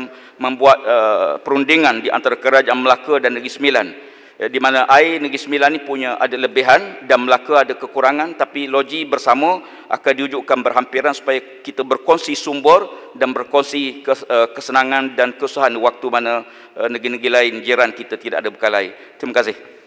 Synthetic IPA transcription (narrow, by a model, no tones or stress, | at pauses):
m | mə̃mbuat̪̚əpəɾundiŋandiʔa̰nt̪aɾakəɾad͡ʒaʔanməlakədanːəɡisəmilan | dimanəʔainəɡɾisəmilanːipuɲə̃ʔa̰daləbiɦandanməlakəadakəkuɾaŋãnt̪apiloɡibərsamə̃ | ʔa̰kandiud͡ʒuʔkanbərɦampiɾansu̥paja | kit̪əbərkɔnsisumbʊrdanbərkɔnsikəəkəsənãŋandankəusaɦandiwak̚t̪umanə | ənəɡɾinəɡɾilaɪnd͡ʒəɾankit̪at̪idaʔadabəkalai | t̪ɾimakasɪh